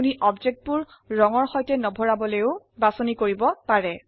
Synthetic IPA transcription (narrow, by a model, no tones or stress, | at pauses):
uniʔɔbd͡ʒek̚t̚buɹː | ɔŋɔɹxɔjtɛnɔbʱɔɹabɔlejʊ | basɔnikoɹibɔpaɹɛ